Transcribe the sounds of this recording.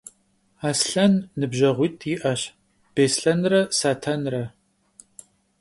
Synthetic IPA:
aːsɬɐnːɨbʒɐʁʷiːtʰiʔɐɕ | b̥eːsɬɐnrɐsaːtʰanrɐ

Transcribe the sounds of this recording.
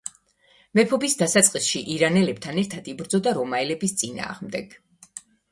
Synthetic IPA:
mɛpʰɔbisd̪asat̪sʼqʼisʃiʔiɾanɛlɛb̥̚t̪ʰanɛɾt̪ʰad̪̥ibɾd̪zɔd̪aɾɔmaɛlɛbist̪sʼina̰ːʁmd̪ɛɡ̥

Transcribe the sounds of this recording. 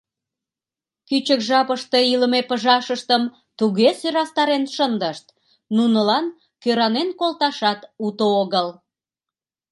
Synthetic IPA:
kyt͡ɕəkʒɑpəʃt̪eiləmepəʒɑʃəʃt̪əm | t̪uɣesyɾɑst̪ɑɾenʃənd̪əʃt̪̚ | nunəlɑn | køɾɑnenkolt̪ɑʃɑt̪ut̪ooɣəl

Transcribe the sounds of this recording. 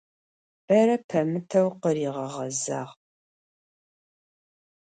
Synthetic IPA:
b̥ɐɾɐpʰɐmɨtʰɐwqəriːʁɐʁɐza̰ːʁ

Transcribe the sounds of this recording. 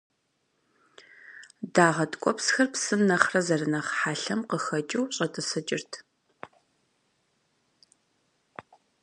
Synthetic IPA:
daːʁɐtʼkʷʼɔpsxɐrpsɨmnɐχrɐzɐrɨnɐχħaːɬɐmqəxɐt͡ʃʼɪwɕʼɐtʰʼɨsɐt͡ʃʼɪrtʰ

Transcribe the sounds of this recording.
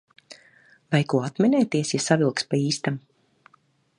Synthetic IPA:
vajkuɔat̪mʲɛnɛːt̪iɛsjasavilˠkspaiːst̪am

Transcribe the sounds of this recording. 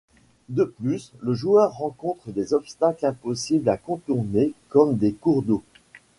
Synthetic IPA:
d̪əplysləʒuœʁːɑ̃kɔ̃t̪χəd̪ezɔpst̪aklɛ̃pɔsiblakɔ̃t̪uʁnekɔmd̪ekuʁd̪o

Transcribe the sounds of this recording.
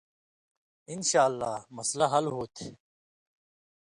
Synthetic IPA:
inɕaːlːa̰ːmɐslaɦɐlɦoːt̪ʰe

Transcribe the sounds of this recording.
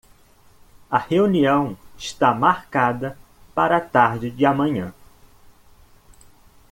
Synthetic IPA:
ɐheuniɐ̃w̃ɪʃt̪amaɾkad̪ɐ | paɾɐat̪aɾd͡ʒɪd͡ʒɪamɐ̃ɲɐ̃

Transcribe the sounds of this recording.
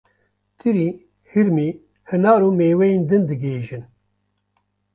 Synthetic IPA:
t̪ʰɨɾiː | hiɾmiː | hɨnɑːɾuːmeːwɛjeːnd̪ɨnd̪ɨɡeːʒɨn

